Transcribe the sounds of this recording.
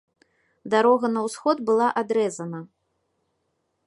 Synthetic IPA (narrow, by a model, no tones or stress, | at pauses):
d̪aɾɔɣɐnɐwsxɔd̪bɨlˠaʔad̪ɾɛzɐnɐ